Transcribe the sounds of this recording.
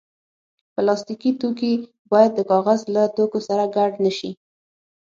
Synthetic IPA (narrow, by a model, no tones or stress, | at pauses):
pəlɑst̪ikit̪oki | bɑjad̪ːəkɑɣazlat̪okosaɾaɡaɖnəʃi